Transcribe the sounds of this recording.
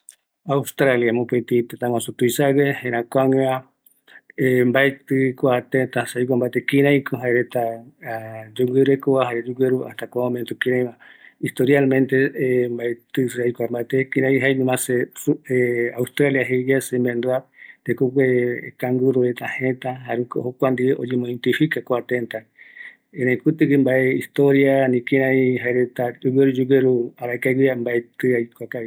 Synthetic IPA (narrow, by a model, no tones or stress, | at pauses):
awst̪ɾaljamõpet̪it̪et̪ãwãsut̪ujsaɡehẽɾ̃ãkʷaŋeã | embaet̪ɨkʷat̪et̪asajk̬ʷambat̪ekĩɾãjkʰoɦaeɾet̪a | d͡ʒoɡʷeɾekoβaɦaɾed͡ʒuɡʷeɾua̰ht̪akʷaõmẽnt̪ukĩɾãj̃mãist̪oɾjalmẽnt̪embaet̪ɨseajkʷambat̪ekĩɾãjɦajnũmãseueaust̪ɾaljaɦed͡ʒasembend̪uat̪ekokʷekaŋɡuɾoet̪ahẽt̪aɦaɾuko̰hokʷand̪ieʔod͡ʒemõĩnt̪ɨʃikakoat̪ent̪a | eɾãĩkut̪ɨkɨmbaeist̪oɾjanĩkĩɾãĩɦaeɾet̪ad͡ʒuɡeɾud͡ʒuɡeɾuaɾaekaɡiambaet̪ɨajkʷakai